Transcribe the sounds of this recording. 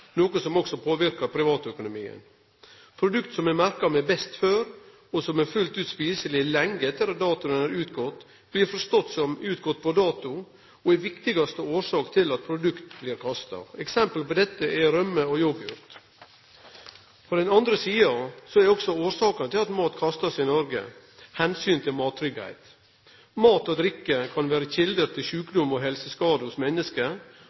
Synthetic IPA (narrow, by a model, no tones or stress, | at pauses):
noːkəsɔmɔksɔpʰoːʋɪɾkɑɾpʰɾɪʋɑːt̪œkʊnʊmiːə̰n | pʰɾʊd̪ʉkt̪sɔmɛmæɾkɑmɛbɛst̪føːɾ | ɔsɔmæɾfʉlt̪ʉːt̪spiːsəlɪlɛŋɡəɛt̪ʰːəɾɑt̪̚d̪ɑːt̪ʊənæɾʉːt̪ɡɔt̪ː | b̥liːɾfɔɾst̪ɔt̪ːsɔmʉːt̪ɡɔt̪ːpʰɔd̪ɑːt̪ʊ | ɔɛʋɪkt̪ɪɡɑst̪əoːʂɑːkt̪ʰɪlɑt̪̚pʰɾʊd̪ʉkt̪̚bliːɾkʰɑst̪ɑ̰ɛksɛmpəlpɔd̪ɛt̪ːəʔɛɾœməɔjɔɡʉ̰ːɾt̪ | pʰɔd̪ɛnɑnd̪ɾəsiːɑsɔæɾɔksɔoːɾʂɑːkɑnət̪ʰɪlɑt̪mɑːt̪kʰɑst̪ɑsɪnɔɾɡə̰ | hɛnsyːnt̪ʰɪlmɑːt̪ʰːɾʏɡhæ̰ɪt̪ | mɑːt̪ɔd̪ɾɪkːəkʰɑnʋæːɾəçɪld̪əɾt̪ʰɪlʃʉːkd̪ʊmɔɦɛlsəskɑːd̪əhʊsmɛnːəskə